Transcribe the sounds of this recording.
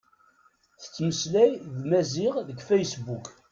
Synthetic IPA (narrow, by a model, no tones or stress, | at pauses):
θə̥t͡sːməslæjðmæzɪʁðəɡfæjsbuk